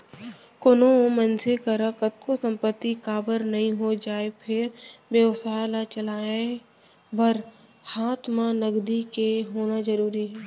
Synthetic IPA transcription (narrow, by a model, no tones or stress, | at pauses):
konoõmənsʰekəɾəkət̪̚kosə̃mpət̪ːikaːbəɾnɐɦĩɦod͡ʒaːepʰɪɾbesaːlat͡ʃəlaːẽ | bəɾhaːt̪ʰmãnəɡd̪ikeɦoːnazəɾuːɾiɦɛː